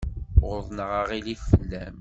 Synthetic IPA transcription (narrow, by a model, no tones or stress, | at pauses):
ʁʊðˤnəʁɑʁiliθfəlːæm